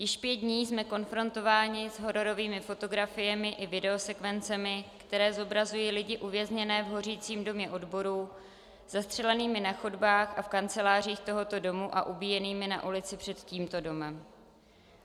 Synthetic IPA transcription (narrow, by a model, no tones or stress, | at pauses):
jɪʃpjɛd̪dɲiːsmɛko̞nfɾo̞nt̪o̞vaːɲɪzɦo̞ɾo̞ɾo̞viːmɪfo̞t̪o̞ɡɾafɪjɛmɪʔɪvɪdɛo̞sɛkvɛnt͡sɛmɪkt̪ɛɾɛːzo̞bɾazujiːlɪɟɪʔuvjɛzɲɛnɛːvɦo̞r̝iːt͡siːmdo̞mɲɛʔo̞dbo̞ɾuː | z̥ast̪r̝̥ɛlɛniːmɪnaxo̞dbaːxʔafkant͡sɛlaːr̝iːxt̪o̞ɦo̞t̪o̞do̞muʔa̰ʔubiːjɛniːmɪna̰ʔulɪt͡sɪpr̝̥ɛt̪ciːmt̪o̞do̞mɛm